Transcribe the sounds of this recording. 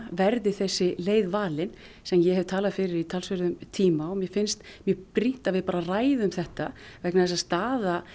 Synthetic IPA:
vɛɾðɪθɛsːɪleːjðvaːlɪn | sɛmjɛhɛv̥t̪ʰaːlaðfɪɾɪɾit̪ʰalsvʏɾðʏmt̪ʰiːmaɔmjɛfɪnst̪mjʏœpɾin̥t̪avɪðpaːɾaraːjðɪʏmθɛht̪avɛknaθɛs̬ːast̪aːða

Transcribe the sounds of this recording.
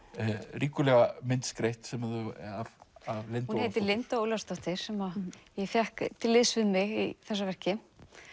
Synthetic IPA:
riːkʏlɛɣamɪnt̪skɾejht̪sɛmaðʏavavlɪnunhejt̪ɪlɪnt̪aoːwlast̪ɔht̪ɪɾ̥sɛmaðjɛfjɛhkt̪ʰɪlːɪðsvɪðmɪɣiθɛs̬ːavɛr̥cɪ

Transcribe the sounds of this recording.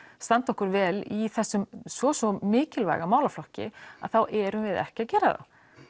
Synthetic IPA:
st̪ant̪ɔhkʏɾvɛːliθɛsːʏmsvɔsɔmɪːcɪlva̰jɣamaːwlaflɔhcɪ̰a̰ðθawʔɛɾʏmvɪðɛ̰hcɪaðcɛːɾaða̰w

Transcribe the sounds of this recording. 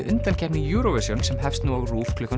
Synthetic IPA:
ʔʏnt̪alcɛpnɪjuːɾɔvɛsjɔnsɛmɦɛfst̪nuaɣruːfkʰlʏka

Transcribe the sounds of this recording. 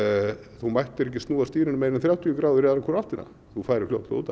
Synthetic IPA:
θumajht̪ɪɾɛhcɪst̪nuːðast̪iːɾɪnʏmejɾɪnθɾjaːwht̪ʰijʏkɾaːwðʏɾɛðɾakʰɔɾal̥t̪ɪna̰ | θufaːjɾɪflʲo̰wht̪la̰uːt̪a

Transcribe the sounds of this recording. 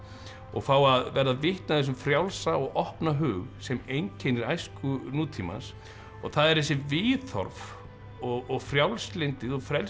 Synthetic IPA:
ɔ̰ɣfaːwaðvɛɾðavɪht̪naθɛs̬ʏmfɾjawlsaɔɣɔhpnaɦʏːɣsɛmejɲcʰɛjnɪɾajskʏnuːt̪ʰima̰ns | ɔɣθaðɛɾ̥θɛsːɪvɪːθɔ̰ɾv | ɔɣɔɣfɾjawlslɪnt̪ɪðɔɣfɾɛl

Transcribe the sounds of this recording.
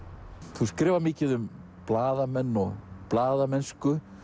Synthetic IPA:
θuskɾɛːvaɾmɪːcɪðʏm | plaːðamɛnːɔɣplaːðamɛnskʏ

